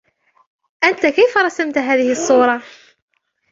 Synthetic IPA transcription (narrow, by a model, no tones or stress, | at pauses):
ʔænt̪akijfɾˤɑsəmt̪ɦæːðɪhisˤːuːɾˤɑ